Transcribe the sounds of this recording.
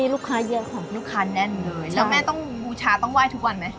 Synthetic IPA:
iː˧luː˥˩kʰːaː˦˥jɯ˦˥ɐkʰa˥˩luː˥˩kʰːaː˦˥nɛ˥˩nlɤː˧jlɛ˦mɛː˥˩t̪ɔ˥˩ŋbuː˧t͡ɕʰaː˧t̪ɔ˥˩ŋwaː˥˩jt̪ʰu˦˥k̚wa˧nma˦˥j

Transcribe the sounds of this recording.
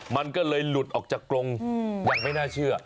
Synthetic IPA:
ma˧nkɔː˧˩ləː˨˧˩jlu˨˩ət̚ʔɔ˨˩k̚t͡ɕa˧˩kːɾo˧ŋwa˨˩ŋ̚ma˧˦jnaː˧t͡ɕɨ˧ə˨

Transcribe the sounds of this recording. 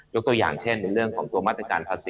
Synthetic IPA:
jo˦˥k̚t̪u˧əja̰ː˨˩ŋt͡ɕʰe˥˩nːa˧ɾɯ˥˩əŋkʰɔː˩˦ŋt̪u˧ma˥˩t̪ɾa˧kaː˧npʰaː˧siː˨

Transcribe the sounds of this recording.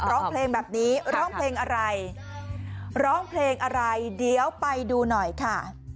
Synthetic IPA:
ɾɔː˦˥ŋpʰleː˧ŋbɛː˨˩p̚niː˦˥ɾɔː˦˥˩ŋppʰleː˧ŋʔa˧ɾa˧j | ɾɔː˦˥˩ŋpʰleː˧ŋʔa˧ɾa˧jdi˧əwpa˧jduː˧nɔ˨˩jkʰa˥˩

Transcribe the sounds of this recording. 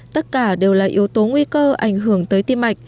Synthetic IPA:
t̪ə˦˥t̚kaː˧˩ɗe˨˩wlaː˨˩ʔi˨˦əwt̪o˨˦ŋwi˧kəː˧ʔa̰˧˩jŋ̟ɦɨ˧˩əŋt̪əː˨˦jt̪i˧mːa˨˩jk̚

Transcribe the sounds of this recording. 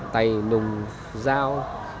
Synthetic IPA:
t̪a˨˩jnʊ˨˩ŋ͡m | zaː˧w

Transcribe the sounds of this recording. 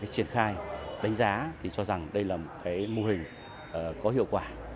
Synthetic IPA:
aː˨˦jt͡ɕi˧˩ənxaː˧jɗa˨˦jŋ̟zaː˨˦t̪ʰi˨˩t͡ɕɔ˧za˨˩ŋɗə˧jlaː˨˩mo˨˩t̚kaː˨˦jmo˧ɦï˨˩ŋ̟ | ʔəː˨˩kɔ˨˦hḭ˧˨əwkwaː˧˩

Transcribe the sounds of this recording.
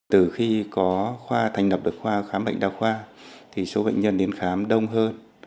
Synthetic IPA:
t̪ɨ˧˨˩xi˧kɔ˨˦xwaː˧t̪ʰa˨˩ŋlə˨˩p̚ɗɨ˨˩ək̚xwaː˧xaː˨˦mɓə̰˧˨ŋ̟ɗaː˧˩xwaː˧t̪ʰi˨˩so˨˦ɓə̰˧˨jŋ̟ɲə˧nɗe˨˦nxaː˨˦mɗə˧wŋ͡mɦəː˧n

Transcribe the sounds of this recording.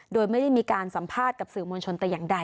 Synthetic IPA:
doː˧jma˥˩jda˥˩jmiː˧kaː˧nsa˩˦mpʰaː˥˩t̪̚ka˨˩p̚sɯː˨˩mo˧nt͡ɕʰo˧nt̪ɛː˨˩jaː˨˩ŋda˧j

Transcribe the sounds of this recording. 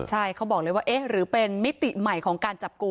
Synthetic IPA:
t͡ɕʰa˥˩jkʰa˦˥wbɔː˨˩ləː˧˦waː˥˩ʔe˦˥ɾɯː˩˦pe˧nmi˦˥t̪i˨˩ma˨˩jkʰɔː˩˦ŋkaː˧nt͡ɕa˨˩p̚ku˧

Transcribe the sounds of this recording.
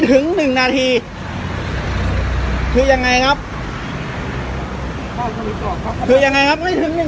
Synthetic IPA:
t̪ʰɯ˩˦ŋnɯ˨˩ŋnaː˧t̪ʰiː˧ | kʰɯː˧ja˧ŋːa˧jkʰa˦˥p̚ | kʰɯː˧ja˧ŋːa˧jkʰa˦˥p̚ma˥˩jt̪ʰɯ˨˩˦ŋnɯ˨˩

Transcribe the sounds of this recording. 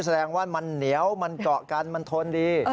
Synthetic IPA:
sa˧dɛː˧ŋwaː˥˩ma˧nːi˩˦əwma˧nkɔː˨˩ʔka˧nma˧nt̪ʰo˧ndiː˧

